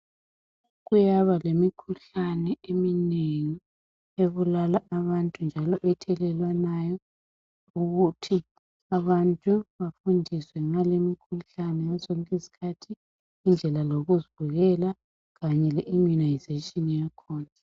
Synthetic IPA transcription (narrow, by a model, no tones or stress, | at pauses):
ɣujaβalemikʰuɬanɛemineŋi | eβulalaʔaβantʼund͡ʒʱalɔʔɛtʰɛlɛlwanajɔ | uɣutʰi | aβantʼuβafundʱiswɛŋ͡ǁalemikʰuɬanɛjazɔŋkʼesi̥kʰatʰiː | nd͡ɮʱɛlaloɣuziβuɣɛla | ɣaɲɛlɛʔimunajzatʼinjakʰɔːna